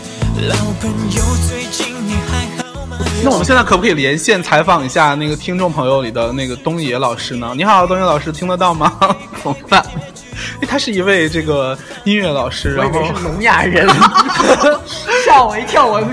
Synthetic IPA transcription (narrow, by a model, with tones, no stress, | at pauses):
lɑ˧˥ŋpə˧˥njo˨˧ʊt͡swe˥˩ɪt͡ɕi˥˩ŋni˨˩a˧˥ɪ˥na˥˩ɔ˨mə˦˥ɕjt͡skʰpkʰːljɛ˧˥nɕjɛ˥˩nt͡sʰa˧˥ɪfɑ˨˩ŋi˧˥ɕja˥˧na˥˩ɡə˩t̪ʰi˥ŋʈ͡ʂʊ˥˩ŋpʰɤ˧˥ŋjo˧ʊli˨˩d̪ə˦na˥˩ɪɡə˩t̪ʊ˥ŋjɛ˧˥lɑ˨˩ʊʂɻ̩˥nə˨ni˧˥xa˨˩t̪ɑ˥˩t̪ʊ˥ŋjɛ˧˥lɑ˨˩ʂɻ̩˥t̪ʰi˥ŋd̪ə˨t̪ɑ˥˩ʊmɐ˩ | t͡sʰʊ˧˥ŋfa˥˩˥ | ɪt̪ʰa˥ʂɻ̩˥˩i˧˥we˥˧ɪʈ͡ʂɤ˥˩ɡə˩ | i˥nɥɛ˥˩lɑ˨˩ʊʂɻ̩˥ɻa˥˧˥n˩xo˥˩ʊ˥˩lʊ˧˥ŋja̰˨˩ɻə˧˥n | ɕjɑ˥˩ʊwe˧˥ɪt̪ʰjɑ˥˩ʊwə˧˥n